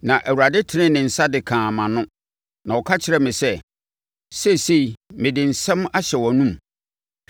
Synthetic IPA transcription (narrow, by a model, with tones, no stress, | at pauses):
nã˨ʔæ˨wu˨ɾa˨dɪ˦tʰɪ˨˦nɪ̃˦nɪ̃˨n̩˨sa˦dɪ˨kʰãː˨mã˨nʊ̃˦ | nã˨wɔ˨kʰa˦t͡ɕʰɪ˨ɾɛ˦mɪ̃˨sɛ˦ | se˦˨se˦i˨mɪ̃˨dɪ̃˨n̩˨sɛ̃˦ma˦ɕɛ˨wɔ˨nũ˦m